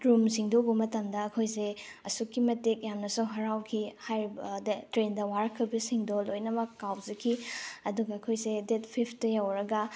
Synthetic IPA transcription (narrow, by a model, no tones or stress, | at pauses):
dɾumsiŋdobɐmɐtɐmdɐːkʰojse | ɐsukːimɐtek̚jamnɐsuɦɐɾawkʰihajɾbdtɾendɐwaɾɐkʰːɐbisiŋdolojnɐmɐkːawzekʰiɐduɡɐːkʰojsedet̚pʰipʰtɐjawɾɐɡɐ